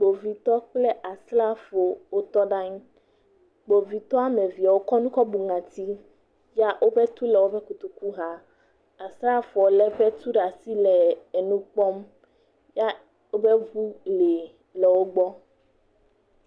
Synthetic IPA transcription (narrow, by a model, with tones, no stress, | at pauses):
ɡ͡bo˨vi˨t̪ɔ˦k͡plɛ˦ʔa˨sla˦fo˨wo˦t̪ɔ˦ɖa˦ɲ˦ | ɡ͡bo˨vi˨t̪ɔ˦a˦mẽ˨vi˨a˨wo˦kɔ˦nũ˦kɔ˦bu˨ŋã˨t̪i˦ | ja˦ʔwʔo˦bɛ˦t̪u˦lɛ˨wo˦bɛ˦ku˨t̪u˨ku˦ɦa˦ | a˨sla˦fo˨o˨lɛ˦ɸɛ˦t̪u˦ɖa˨si˦lɛ˨ɛ˨nũ˦k͡pɔ˦m | ja˦ | o˦be˦vu˦le˨ | lɛ˨wo˦ɡ͡bɔ˦